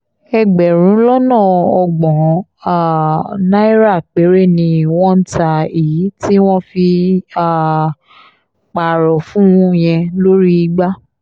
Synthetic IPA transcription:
ɛ˧ɡ͡bɛ˨ɾ̃ũ˨˦lɔ˦nãː˦˨ɔ˧ɡ͡bɔ̃˨a˨nã˦i˦ɾa˦˨k͡pe˨˦ɾe˦˨nĩ˧˨w̃ɔ̃˦n̩˦tʰa˧i˨ji˨˦ti˦w̃ɔ̃˦fi˧a˦˨ | k͡pa˨ɾɔ˨fũ˦ũ˦j̃ɛ̃˧lo˦ɾi˦˧ɡ͡ba˦

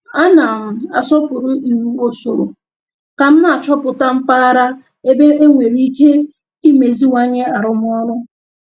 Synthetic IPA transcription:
a˦na˨m̩˨a̰˨sɔ˦pʊ˨ɾʊ˦n̩˨nu˦o˦so˨ɾo̰˨ | ka˨m̩˦na˨a˨t͡ʃɔ˦pʊ˨ta˦m̩˦pa˦a˦ɾa˦ | e˦be˦e˦ŋʷe˨ɾi˦i˦ke˦ | i˦me˨zi˦wa˦ɲe˦a˨ɾʊ˨m˦ɔ˦ɾʊ˦

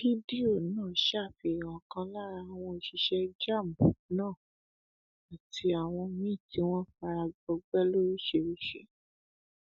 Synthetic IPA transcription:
fi˦di˦o˦˨nãː˦˨ʃa˦˨fi˧˨ɾã˨kã˦la˦ɾa˧˨w̃ɔ̃˧i˧˨ʃi˧ʃɛ˦d͡ʒa˦˨m̩˨u˨˦nãː˦˨ | a˨tʰi˧a˨w̃ɔ̃˧mĩ˦˨ti˨˦w̃ɔ̃˦fa˧ɾa˧ɡ͡bɔ˧ɡ͡bɛ˦lo˦ɾi˦ʃe˧ɾi˦ʃḛ˦

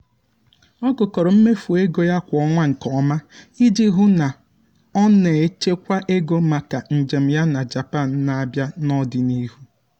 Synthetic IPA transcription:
ɔ˦ɡʊ˨kɔ˨ɾɔ˨m̩˦me˦fu˨e˦ɡo˦ja˦kʷɔ˦ŋʷa˦ŋ̩˨kɔ˦ma˦ | i˦di˦ɦu˦na˨ | ɔ˦ne˨e˨t͡ʃe˦kʷa˦ʔe˦ɡo˦ma˨ka˨n̩˨d͡ʒe˨m̩˨ja˦na˨d͡ʒa˨pa˦˨n̩˨na˨a˨bja˦nɔ˦dɪ˨ni˦ɦu˦

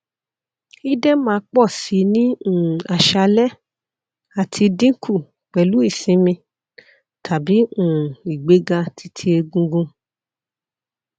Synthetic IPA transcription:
i˦dɛ˦mãː˧k͡pɔ˦˨si˨˦nĩ˦ũ˦˨a˨ʃa˧lɛ˦ | a˨tʰi˧dĩ˦kʰu˦˨ | k͡pɛ˨lu˨˦i˦˨sĩ˨˦mĩ˧ | tʰa˨bi˨˦ũ˨i˨ɡ͡be˨˦ɡa˧tʰi˧tʰi˧e˧ɡũ˧ɡũ˧

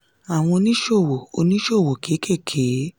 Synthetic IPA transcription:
a˨w̃ɔ̃˧o˧nĩ˦ʃo˦˨wo˨o˧nĩ˦ʃo˦˨wo˨kʰe˨˦kʰe˦˨kʰe˨˦

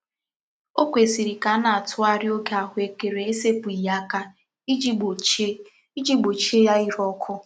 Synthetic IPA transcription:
o˦kʷe˨si˨ɾi˨ka˨˦na˨a˨tʊ˦a˦ɾɪ˦o˦ɡe˦a˨ɦʊ˦e˨ke˨ɾe˨e˦se˦pu˨i˨ja˦ka˦ | d͡ʒ | i˦d͡ʒi˦ɡ͡bo˨t͡ʃe˦ja˦i˦ɾɔ˦kʰʊ˦

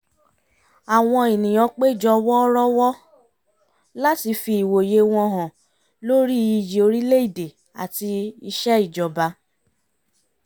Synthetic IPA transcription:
a˨w̃ɔ̃˧i˨nĩ˨j̃ɔ̃˧k͡pe˦i˨d͡ʒɔ˧wɔ˦ɾɔ˦wɔ˦ | la˦ti˧fi˧i˨wo˨je˧˦w̃ɔ̃˧ɦɔ̃˨ | lo˦ɾi˦i˨ji˨o˧ɾi˦le˦i˦˨de˨ | a̰˨ti˧i˧ʃɛ˦i˦˨d͡ʒɔ˨ba˧

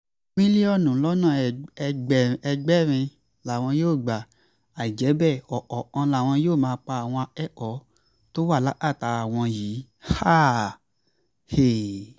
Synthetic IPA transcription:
mĩ˦li˦ɔ˦˨nũ˨˦lɔ˦nã˦˨˧ɡ͡bɛ˦˨ɛ˧ɡ͡bɛ˦ɾ̃ĩ˧ | la˨w̃ɔ̃˧joː˦˨ɡ͡ba˨ | a˨i˨d͡ʒɛ˨˦bɛ˦˨ɔ˨ʔɔ˨ã˧la˨w̃ɔ̃˧joː˦˨mãː˧k͡pa˧a˨w̃ɔ̃˧ɛ˦˨ʔɔ˨˦ | to˦wa˦˨la˦ʔa˦˨ta˧a˨w̃ɔ̃˧jiː˨˦ | ha˦ | he˨

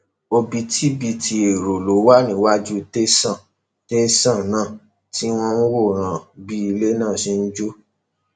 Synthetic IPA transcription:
o˧bi˧tʰi˦bi˧ti˧e˨ɾo˨lo˨˦wa˦˨nĩ˦wa˦d͡ʒu˦te˦sã˦˨ | te˦sã˦˨nãː˦˨ | ti˦w̃ɔ̃˧n̩˦wo˦˨ɾ̃ã˨bi˦i˧le˦nãː˦˨sĩ˦n̩˦d͡ʒo˦

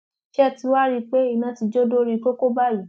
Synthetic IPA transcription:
ʃɛ˦˨ti˧˦wa˦ɾi˦k͡pe˦i˦˨nã˧˦ti˧d͡ʒo˦do˦ɾi˧ko˦ko˦ba˦˨ji˨˦

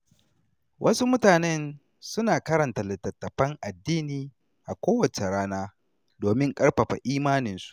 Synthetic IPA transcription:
wʔɐ˦su˦mʊ˦taː˨nɛ˦n | sʊ˦naː˨kɐ˦ɾɐ˨nta˨lɪ˨tːɐ˨tːɐ˨ɸɐ˦ŋʔa˨dːiː˦niː˨ | ʔa˨kʷoː˦wɐ˨t͡ʃe˨ɽaː˦naː˦ | doː˨mɪ˦ŋkʼɐ˦ɽɸɐ˨ɸa̰˨ʔiː˦maː˦nɪ˦nsu̥˦ʔ

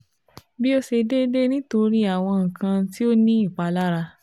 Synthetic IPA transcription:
bi˦o˦ʃe˧de˦de˦nĩ˦to˧ɾi˦a˦˨w̃ɔ̃˧ŋ̩˨kʰã˧ti˦o˦nĩ˦i˦˨k͡pa˧la˦ɾa˧

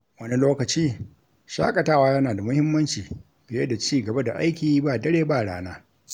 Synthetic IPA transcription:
wɐ˦ni˦loː˦kɐ˨t͡ʃiː˦ | ʃa̰ː˦kʼɐ˨taː˦˨waː˦jɐ˦naː˨da˨mʊ˦hɪ˦mːɐ˦nt͡ʃiː˨ | bɪ˨jɐ˦da˨t͡ʃiː˦˨ɡɐ˨ba˦da̰˨ʔa̰˦jkʲiː˦ba˦˨dɐ˦ɽeː˦ba˦˨ɽa̰ː˦naː˦

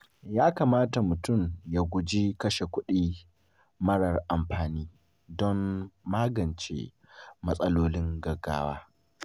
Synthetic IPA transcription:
jaː˦kaː˨maː˦ta˨mʊ˨tʊ˦˨mja˦˨ɡʷʊ˨d͡ʒi˦kɐ˦ʃe˨kʷʊ˦ɗiː˦ | mɐ˦ɽɐ˨rʔa˨mɸaː˨niː˦ | dɔ˦mːaː˦ɡɐ˨nt͡ʃḛ˨ | mɐ˦sʼɐ˦loː˦lɪ˦ŋɡɐ˨ɡːa̰ː˦waː˦

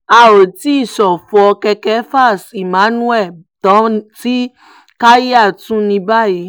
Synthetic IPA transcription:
a˧o˨ti˨˦i˦˨ʃɔ˨fɔ˨˧ɔ˧kɛ˧kɛ˦fa˦˨si˨mã˨˦nũ˦ɛ˦˨ | tɔ̃˨˦ti˦ | ka˦ji˦a˦˨tũ˦nĩ˧ba˦˨ji˨˧˦

